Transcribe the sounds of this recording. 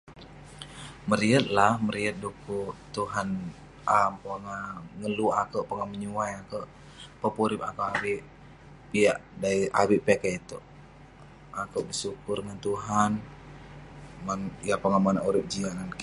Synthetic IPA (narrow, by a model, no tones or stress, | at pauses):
məɾiət̪̚lahməɾiət̪̚dukut̪uɦan | ʔampəŋaŋəluakəʔpəŋaməɲuajakəʔ | pəpuɾɪpakoʔawiʔ | piaʔdaia̰wiʔpekɛit̪oʔ | akəwʔbəsukʊrŋant̪uɦan | ŋanijapaŋamanaʔuɾɪp̚d͡ʒiaŋan